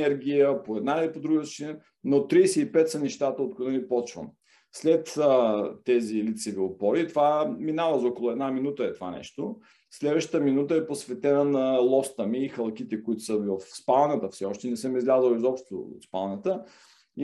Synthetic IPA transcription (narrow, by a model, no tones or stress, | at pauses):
ɛɾɡ̟ʲijəpoɛd̪nailipod̪ɾuɡət̪st͡ʃin | not̪ɾisɛipɛt̪sɐnɛʃt̪at̪əot̪̚kod̪ɛnipɔt͡ʃvə̰m | slɛt̪ət̪ːɛzilit̪sɛviʊpɔɾit̪ovaminavəzɔkolˠʊɛd̪naminut̪əɛt̪ova̰nɛ̰ʃt̪o | slɛd̪vəʃt̪ə̥t̪əminut̪əɛposvɛt̪ɛnənɐlˠɔst̪əmiːxɐlˠkit̪ɛkʊit̪ʊ̥səvəfspalˠnət̪əfsɛɔʃt̪ɛnɛsəmizlʲazəlˠizɔpʃt̪o̰t̪spalˠnət̪ə | i